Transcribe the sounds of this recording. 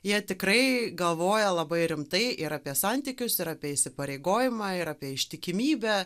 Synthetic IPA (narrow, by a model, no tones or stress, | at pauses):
jiɛt̪ʲɪkɾɐɪɡɐlˠʋoːjɛlˠɐbɐɪɾʲɪmt̪ɐɪʔɪɾapʲiɛsɑnʲt̪ʲikʲʊsɪɾapʲiɛɪʃʲsʲɪpɐɾʲeɪɡoːjɪmɑːɪɾaːpʲiɛɪʃʲt̪ʲɪkʲɪmʲiːbʲɛ